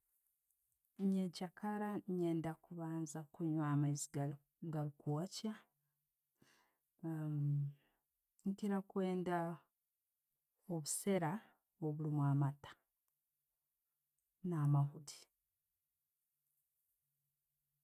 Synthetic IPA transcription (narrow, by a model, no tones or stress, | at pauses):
ɲecakaɾaɲeːndakuβaːnzakuɲwaːmaiziɡa | ɡalukuaca | ŋkiɾakwe̞ːnda | oβuse̞ɾa | oβulimwaːmatḁ | naːmaɦudi̥